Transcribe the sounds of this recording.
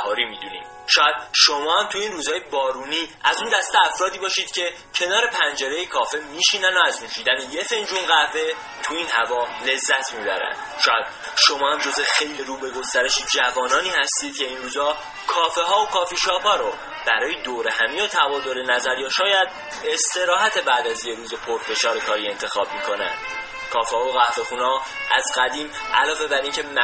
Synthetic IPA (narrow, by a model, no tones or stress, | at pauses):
hɒːɾimiːd̪ṵnḭːm | ʃɒːjæd̪̥ʃomɒːhæmt̪ʰuiːnruːzɒːjebɒːɾuniːæzund̪æst̪eæfɾɒːd̪iːbɒːʃiːd̪̥cʰe̞ | cʰe̞nɒːɾe̞pʰænd͡ʒeɾe̞jekʰɒːfemiːʃiːnænoæzminʃid̪æneje̞fe̞nd͡ʒunɢæve | t̪ʰuiːnhævɒːle̞zːæt̪ʰmibæ̰ɾæ̰nʃɒːjæd̪̥ | ʃo̞mɒːhæmd͡ʒozexejliɾuːbe̞ɡo̞st̪æɾe̞ʃid͡ʒævɒːnɒːniːhæst̪iːd̪̥cʰe̞inɾuːzɒː | kʰɒːfeɦɒːokʰɒːfiːʃɒːphɒːɾo | b̥æɾɒːjed̪oːɾehæmiot̪ʰævɒːd̪oɾenæzæɾjɒːʃɒːjæd̪ | e̞st̪e̞ɾɒːɦæt̪ʰe̞bæːd̪æzjeɾuːzepʰoɾfe̞ʃɒːɾe̞kʰɒːɾie̞nt̪ʰe̞xɒːb̚mikʰo̞næ̰n | kʰɒːfehɒːoɣæhfe̞xuːnɒːʔæzɡæd̪iːmʔælɒːve̞bæɾiːŋcʰe̞m